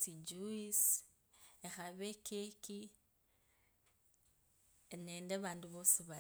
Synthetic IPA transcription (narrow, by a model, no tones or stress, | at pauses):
tid͡ʒuis | exaβekʰeki | nendeβaːnduβosiβa